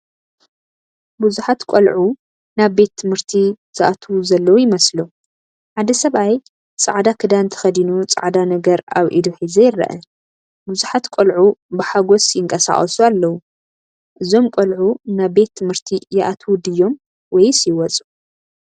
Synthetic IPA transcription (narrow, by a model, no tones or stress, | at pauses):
buzuħat̪kʷʼolʕu | naβbe̞t̪ʰːɨmhɨɾt̪ʰi | z̥ɨʔat̪ʰuzɐlːɐwujɪmɐslu | ħad̪ɐsɐβaj | t͡sʼa̰ʕd̪akʰɨd̪ant̪ʰɐ̥xɐd̪inut͡sʼa̰ʕd̪anɐɡɐɾaβʔḭd̪uħizɐjɪrːɐ̰ʔɐ | buzuħat̪kʷʼolʕubɨħaɡo̞sjɪŋkʼɐsa̰χʼɐsualːɐwu | ʔɨzo̞mkʷʼolʕunaβbe̞t̪ʰːɨmhɨɾt̪ʰijɪʔat̪ʰwud̪ɨjːo̞m | wɔjsjɪwɔt͡sʼu